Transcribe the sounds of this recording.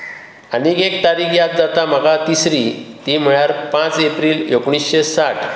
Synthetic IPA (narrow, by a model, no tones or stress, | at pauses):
anikekt̪aɾiːkʰjat̪̚d͡zat̪am̤əɡat̪isɾit̪im̤əɭjaɾpãt͡sepɾiːljokɳ̃isɕesaʈʰ